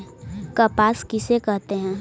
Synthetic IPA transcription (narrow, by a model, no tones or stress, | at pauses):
kɐpaːskɪsekɐɦt̪eɦɛ̃ː